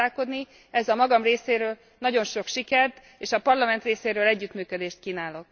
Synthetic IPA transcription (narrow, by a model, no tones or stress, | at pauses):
aːko̞d̪ni | ɛzɒmɒɡɒmreːseːɾøːl | nɒɟo̞nʃo̞kʃikɛrt̪ | eːʃɒpɒrlɒmɛnt̪reːseːɾøːlɛɟːyt̪myːkød̪eːʃt̪̚kiːnaːlo̞k